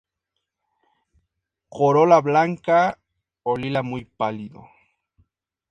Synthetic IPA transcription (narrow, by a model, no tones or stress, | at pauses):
koɾolablaŋka | olilamujpalid̪o̰